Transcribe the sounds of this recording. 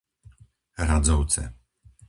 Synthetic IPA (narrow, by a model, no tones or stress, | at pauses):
ɾazɔwt̪sɛ̰